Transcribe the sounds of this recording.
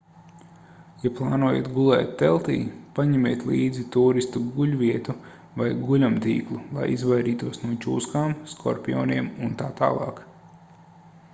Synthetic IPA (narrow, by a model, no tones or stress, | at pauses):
japlˠɑːnuɔːjḛɛt̪ɡulˠɛːt̪ʲːɛlˠt̪ḭːpaɲɛmʲeːt̪liːd̪zit̪uːɾist̪uɡuʎʲvʲiɛt̪u | vajɡulʲamt̪ḭːklˠulˠa̰jizvajɾiːt̪uɔsnuɔt͡ʃṵːskaːmskʰɔ̰ɾpʲiɔ̰ːniɛmunt̪aːt̪a̰ːlˠɑ̰ːk